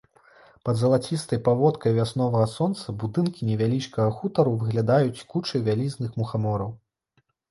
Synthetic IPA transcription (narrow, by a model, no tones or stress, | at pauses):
pɐd̪zɐlˠat͡sʲist̪ɐjpavɔt̪kɐjvʲasnɔvɐɣɐsɔnt̪sɐbud̪ɨnkʲinʲɛvʲalʲit͡ʂkɐɣɐxut̪ɐɾuvɨɣlʲad̪ajut͡sʲkut͡ʂɐjvʲalʲiznɨxmuxamɔɾɐw